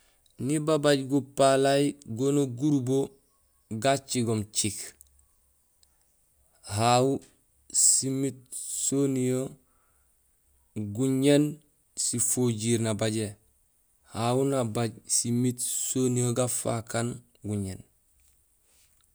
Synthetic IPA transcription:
nibabaɟɡupalajiɡonoɡuɾubo | ɡat͡ʃiɡomt͡ʃik | hau | simit̚sonijo | ɡuɲen | sifoɟiɾnabaɟe | hawunabaɟsimitsonijoɡafa̰kan | ɡuɲen

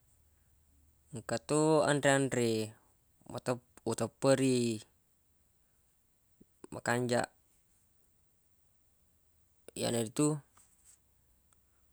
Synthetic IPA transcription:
ŋkət̪uə̰ndɾieandɾe | mt̪əut̪əpːəɾi | mʔə̰kaɲd͡ʒa̰ʔ | ja̰nəɾit̪u

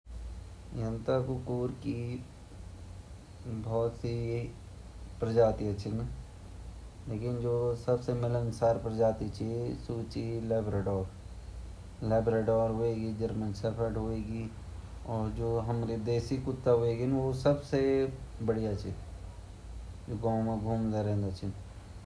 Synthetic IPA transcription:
jɐnt̪akukuːɾki | bʱɔːt̪si | pɾəd͡ʒaːt̪iɐt͡ʃʰin | leːkɪnd͡ʒoːsɐbsemɪlənsaːɾpɾəd͡ʒaːt̪it͡ʃisuːt͡ʃilɛːbɾeːɖɔːɾ | lɛːbɾeːɖɔːɾɦoːeɡid͡ʒəɾmənsəpʰəʈɦoːeɡi | ɔːɾd͡ʒoːɦəmɾed̪eːsikʊt̪ːaɦoeɡinʋosəbsebəɽijat͡ʃʰi | d͡ʒoːɡãːmẽɡʱuːmd̪eɾɛ̃ːnd̪at͡ʃʰɪn

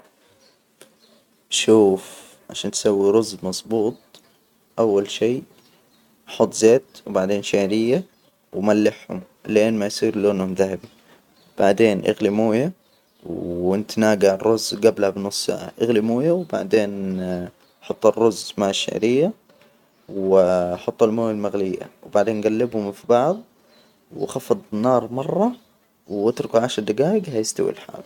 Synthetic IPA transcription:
ʃuːf | ʕaʃaːnt̪sawːiɾʊzmɑsˤbuːt̪̚ˤ | ʔawːalʃiː | ʔħɑt̪ˤːzeːt̪wbaʕd̪eːnʃaʕɾɪjːa | wmalːɪħhʊ̰m | lʔeːnmajsˤiːɾloːnhʊmðahɪbi | b̥aʕd̪eːnʔa̰ɣlɪmuːja | wɪnt̪naːɡaʕrːʊzɡablhabnʊsˤːʔɪɣlɪmuːjawba̰ʕd̪eːn | ħɑt̪ˤːɑrːʊzmaʕaʃːɪ̰ʕɾɪjːa | wħɑt̪ˤːɑlmoːjalmaɣlɪjːa̰wbaʕd̪eːnɡalːɪbhʊmfibɑʕðˤ | wxɑfɑd̪ˤnɑːɾˤmɑrˤːɑ | wat̪ɾʊkuʕaʃɾˤd̪aɡaːjɪɡhajɪst̪a̰wḭlħa̰ːl

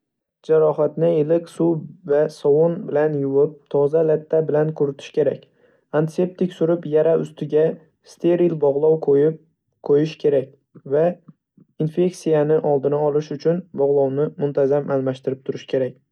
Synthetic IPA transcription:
d͡ʒaɾɒɦat̪nɪɪlɪkʲsuvasɒwonbɪlanjʊwɪp̚t̪ʰɒzalat̪ʰːabɪlankʰʊɾɪt̪ʰɪ̥ʃkʲʰe̞ɾakʲ | ant̪ʰɪ̥se̞p̚t̪ʰɪkʲsʊɾɪpjaɾaʊ̰st̪ʰɪɡʲa | st̪ʰe̞ɾilbɒʁlˠɒwqʰojɪp̚ | qʰojɪʃkʲʰe̞ɾakʲ | va | infe̞ksijanɪʔɒlˠd̪ɪnaɒlˠɪʃʊt͡ʃʰʊnbɒʁlˠɒwnɪmʊnt̪ʰazamʔalˠmaʃt̪ɪɾɪp̚t̪ʰʊɾɪʃkʲʰe̞ɾak̚ʲ

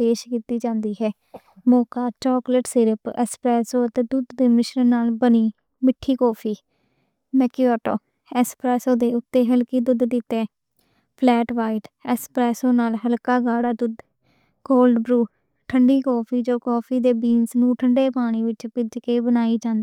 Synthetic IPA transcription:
peːʃkiːt̪iːd͡ʒãːnd̪iːɦɛː | mɔːkaːt͡ʃɔːkləʈsɪɾəpɛ̰ːspɾɛːsoːət̪eːd̪ud̪d̪eːmɪʃənənaːlbəniː | mɪʈʰːiːkɔːpʰiː | mɛːkiɔːʈo̰ː | ɛspɾɛːsoːd̪eːʊt̪ːeːɦəlkiːd̪ʊd̪d̪ɪt̪ːeː | pʰlɛːʈʋaːɪʈɛspɾɛːsoːnaːlɦəlkaːɡaːɽaːd̪ʊd̪ | ɡoːlɖbɾuː | ʈʰəɳɖiːkɔːpʰiːd͡ʒoːkɔːpʰiːd̪eːbiːnsnũːʈʰəɳɖeːpaːɽ̃iːʋɪt͡ʃpɪd͡ʒ̪keːbənaːiːd͡ʒãːnd̪iː

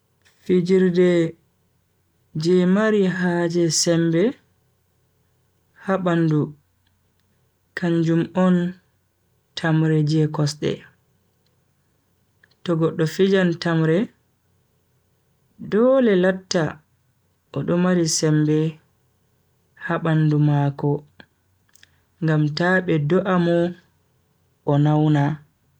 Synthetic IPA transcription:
fid͡ʒiɾdɛ | d͡ʒɛmaɾiɦaːd͡ʒɛsɛmbɛ | haɓandu | kʰaɲd͡ʒumɔn | tʰamɾɛd͡ʒɛkɔsɗɛ̰ | tɔɡɔɗːɔfid͡ʒantamɾɛ | dɔlɛlatːa | ʔɔɗɔmaɾisɛmbɛ | haɓandumaːkɔ | ŋɡamtaɓɛdɔʔamɔ | ʔɔnawna

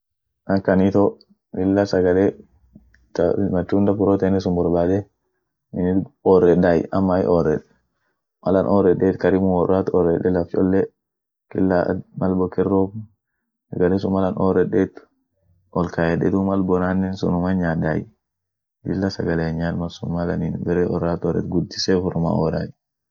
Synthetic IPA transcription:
nɐŋkɐnit̪o | dɪlːɐsɐɡɐle | tmɐt̪ːuːnd̪ɐfʊɾot̪enːɛsʊmbɔɾbaːd̪ɛ | ɪnɪɔrːɛɗajɐmːaj̰ʔɔrːɛᶑɛ̥ | mɐlɐnʔɔɾɛɗeːt̪kɐɾɪmʊwɔrːaːt̪ɔɾːɛɗɛlɐft͡ʃʼɔ̰lːɛ | kilːa̰malbɔkɛrːɔ | saɡalɛsumalanʔɔ̰ɾɛɗɛt̪ | ʔɔlkajɛɗɛ̰t̪umalbɔnanːɛnsṵnumaɲada̰j | dilːasaɡaleɲalmasumalaninbɛɾɛʔɔɾat̪ɔɾɛ̰t̪ɡud̪ːisɛfuɾma̰ɔɾa̰j

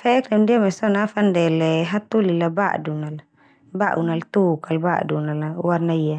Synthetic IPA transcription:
fɛʔɛknamdiamɛsɔnafandɛlɛɦat̪ulilaba̰ʔdunal | baʔunalt̪ukalba̰ʔdunalawarnaia

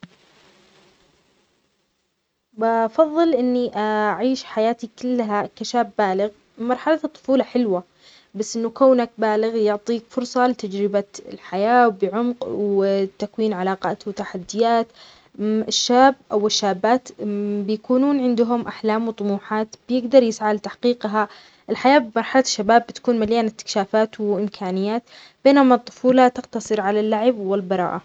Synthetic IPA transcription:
bɑfɑðˤːɨlʔɪnːiʔaʕiːʃħajaːt̪ikɪlːɦakaʃaːbːaːlɪɣ | mɑɾˤħalat̪ˤːʊ̥fuːlɑħɪlwa | basːʔɪnːukaːnak̚baːlɪɣjʊʕt̪ˤiːkfʊɾsˤɑlɪt̪ad͡ʒɾɪbaɪ̰lħajaːwbɪʕʊmqwt̪akwiːnʕalɑːqɑːt̪wɪt̪aħad̪ːɪjaːt̪ | ɪʃːaːbʔawɪʃːaːbːaːt̪bɪjakuːnuːnʕɪnd̪ʊɦʊmʔaħlaːmwt̪ˤʊmuːħaːt̪b̥jɪɡd̪ɑɾˤjɪsʕalt̪aħqiːqɦa | ʔɪlħajaːbɪmɑɾˤħalaʃːabaːbːɪt̪kuːnmaljaːnɪt̪ːɪ̥kʃaːfaːt̪wɪʔɪmkʰaːnɪjːaːt̪ | b̥eːnʊmat̪ˤːʊ̥fuːlat̪ɪqt̪ɑsˤɨɾʕalalːaʕɪbwɪlbɑɾˤɑ̰ːʔa

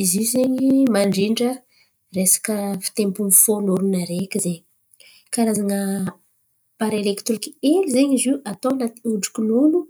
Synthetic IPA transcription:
izizeɲimaɳɖ͡ʐiɳɖ͡ʐə | resḁkəfi̥t̪empunifonuɾunaɾekʲizeɲi̥ | kaɾazaŋə | paɾelekt̪ɾikielizeɲiziʔat̪oanat̪i̥uɖ͡ʐu̥kinunu

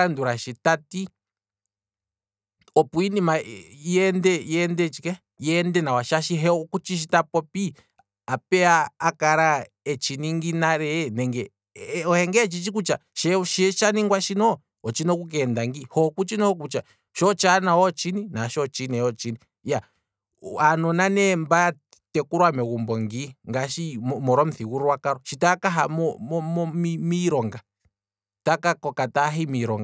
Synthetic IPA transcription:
anduɾaʃitati | ɔpuinimaiɛndɛiɛndɛt͡ʃikɛ | jɛndɛnawaʃaʃiɦɛɔkut͡ʃiʃ̬itapɔpi | apɛaːkaɾa | ɛt͡ʃiniŋɡinaɾɛnɛŋɡɛ | ɔhɛŋɡɛt͡ʃit͡ʃikut͡ʃaʃɛʃiʃaniŋɡwaʃinɔ | ɔt͡ʃinɔk̬uk̬ɛndaŋɡihɔkut͡ʃinɔhɔk̬ut͡ʃa | ʃɔt͡ʃanaɔt͡ʃininaʃɔt͡ʃinɛɔt͡ʃini | ja | anɔnanɛmbaja | tɛkuɾwamɛɣumbɔŋɡiŋɡaʃimɔɾɔm̩θiɣuɾwakaɾɔʃitakaɦamɔɔmɔmimiɾɔŋɡa | takakɔkataɦimiɾɔŋɡa

